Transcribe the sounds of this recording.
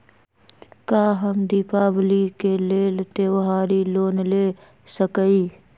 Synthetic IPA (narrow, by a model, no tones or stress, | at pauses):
kaːɦəmd̪ipaːblikeleːlt̪ewɦaːɾiloːnle | səkəi